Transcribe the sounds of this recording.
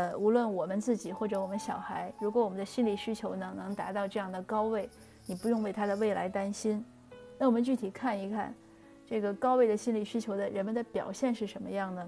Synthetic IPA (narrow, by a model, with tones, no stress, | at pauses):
u˧˥lwə˥˩nwɔ˨˩mə˦nt͡sɹ̩˥˩t͡ɕi˨˩xwɔ˥˩ʈ͡ʂɤ˧˥wɔ˨˩mə˦nɕjɑ˨˩ʊxa˧˥ɪɻu˧˥kwɔ˧˥wɔ˨˩mə˦nd̪ə˧ɕi˥nli˨˩ɕy˥t͡ɕʰjo˧˥ʊnɤ˧˥ŋnɤ˧˥ŋt̪a̰˧˥t̪ɑ˥˧ʊʈ͡ʂɤ˥˧jɑ˥˩ŋd̪ə˩kɑ˥ʊwe˥˩ɪ | ni˨˩pu˧˥jʊ˥˧ŋwe˥˩ɪt̪ʰa˥d̪ə˨we˥˩ɪla̰˧˥ɪt̪a˥nɕi˥n | na˥˩wɔ˨˩mə˦nt͡ɕy˥˩t̪ʰi˨˩kʰa˥˩ni˧˥kʰa̰˥˩n | ʈ͡ʂɤ˥˩ɡə˩kɑ˥ʊwe˥˩ɪd̪ə˩ɕi˥nli˨˩ɕy˥t͡ɕʰjo˧˥ʊd̪ə˧ɻə˧˥nmə˧nd̪ə˨pjɑ˨˩ʊɕjɛ˥˧nʂɻ̩˥˩ʂə˧˥nmə˧jɑ˥˩ŋd̪ə˩